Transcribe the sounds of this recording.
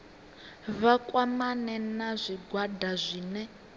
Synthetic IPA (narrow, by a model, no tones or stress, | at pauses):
βakwamanɛnazʷiɡwadazʷiːnɛ